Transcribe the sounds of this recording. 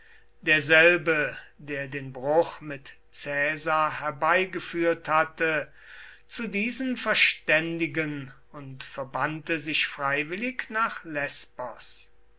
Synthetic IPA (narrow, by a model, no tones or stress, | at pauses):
d̥eːɐzɛlbədeːɐdeːnbʁʊχmɪt | t͡sɛːzaɐɦɛɐbaɪɡəfyːɐthatə | t͡sudiːzənfɛɐʃtɛndɪɡən | ʊntfɛɐbantəzɪʃfʁ̥aɪvɪlɪknaːχlɛspɔs